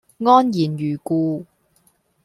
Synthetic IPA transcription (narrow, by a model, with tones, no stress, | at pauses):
ŋɔː˥njiː˨˩njyː˨˩kuː˧